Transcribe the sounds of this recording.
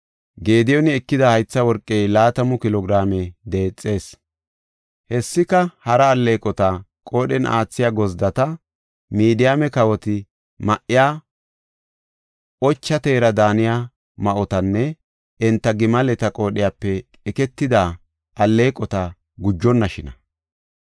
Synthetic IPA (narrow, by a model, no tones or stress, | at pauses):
ɡe̞ːd̪ɪjɔnɪɛkːɪd̪ɐhɐjt͡sːɐwɔɾkʼːejlaːt̪ɐmʊkɪlɔɡɪɾaːmɛd̪eːt͡sʼːe̞ːs | hɛsːɪkɐhɐɾɐːlːe̞ːkʼɔt̪ɐ | kʼo̞ːɗɛnʔa̰ːt͡sːɪjaɡɔzd̪ɐt̪ɐ | miːd̪ɪjaːmɛkɐwɔt̪ɪ | mɐʔɪjaː | ɔt͡ʃːɐt̪e̞ːɾɐd̪aːnɪja | mɐʔɔt̪ɐnːɛ | ɛnt̪ːɐɡɪmɐlɛt̪ɐkʼo̞ːɗɪjaːpːɛ | ɛkɛt̪ːɪd̪a | ʔɐlːe̞ːkʼɔt̪ɐ | ɡʊd͡ʒːɔnːɐʃɪnɐ̰